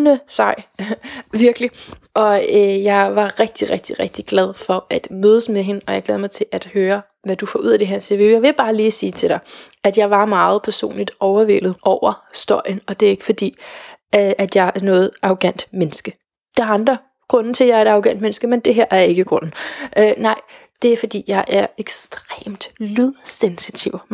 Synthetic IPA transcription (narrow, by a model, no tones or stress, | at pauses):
nəsɑ̈ɪ̰ | ʋiɐɡ̥əliʔɒ̽øjɑ̈ɪʋɑ̈ʁeɡ̥̚d̥iʁɛɡ̥̚d̥iʁɛɡ̥̚d̥iɡ̥lɛð̞ˠfɒ̽ʔæd̥møːð̞ˠəsmeɦe̝nɒjɑɪɡ̥lɛːð̞ˠmɑɪt͡sʰe̝lʔæd̥høːɐ | ʋæd̥ufɒ̰ːʔuð̰ˠæd̥e̝ɦæɐ̰t͡sʰe̝ʋe̝ʊjɑ̈ɪʋe̝lb̥ɑ̈ːliːsiːt͡sʰe̝l̥ɾɑ̈ɪæd̥jɑ̈ɪʋɑ̈mɑ̈ːð̞̩ˠpʰæɐso̝̰ːnlid̥ɒʊɐʋel̰ð̩ˠʔɒʊ̰ɐsd̥ɒɐ̰jənɒ̽d̥e̝æɐe̝ɡ̥əfɒ̽d̥ḭː | æd̥jɑ̈ɪæɐnɔ̽ːð̩ˠʔɑ̈oɡ̥æn̰d̥menəsɡ̥ə | d̥ɑæɐɑ̈nd̥ʁɐ | ɡ̥ʁɔ̽n̩t͡sʰe̝ljɑ̈ɪɐe̝d̥ɑ̈oɡ̥æn̰d̥mensɡ̥əmend̥e̝ɦeɐ̰ʔæɐe̝ɡ̥əɡ̥ʁɔ̽nn̩ʔønɑ̈ɪ̰ | d̥e̝æɐfɒ̽d̥ḭːjɑ̈ɪʔæɐeɡ̥sd̥ʁḛːmd̥lyðˠsensit͡sʰiʊ̰